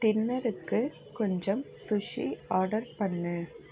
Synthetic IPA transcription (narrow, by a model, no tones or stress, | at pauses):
t̪ɪnːɐɾɯkːɯ | kɔɲd͡ʒɐm | sʊʂiaːɾɽɐɾpɐɳːɯ